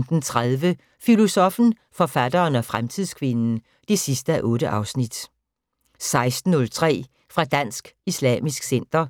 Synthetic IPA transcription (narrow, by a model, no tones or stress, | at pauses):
nd̥n̩t͡sʰʁaðˠʋə | filo̝sɒ̽fn̩ | fɒ̽fæd̥ɐːnɒ̽fʁamt͡sʰið̰ˠskʰʋe̝nn̩ | d̥e̝sisd̥əæʔɔ̽ːɾ̥əʔɑ̈ʊsnid̥ | sɑ̈ɪsd̥n̩ːɔ̽lt͡sʰʁɛ̰ː | fʁɑ̈d̥æn̰sɡ̥islɛ̰ːmisɡ̥sen̰d̥ɐ